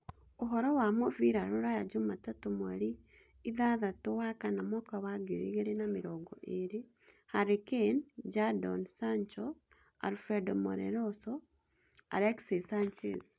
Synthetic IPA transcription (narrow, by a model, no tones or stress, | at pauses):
oɦɔɾɔwamoviɾaɾoɾajad͡ʒumatatomwaɾiː | ðaðatowakanamwɔkawaɡeɾḛɣeɾenameɾɔːɡɔʔeɾe | haɾekend͡ʒadɔnsaɲt͡ʃɔ | a̰lfɛdɔmɔ̰ɾɛ̰ɾɔsɔ | a̰ɾɛksisant͡ʃḛz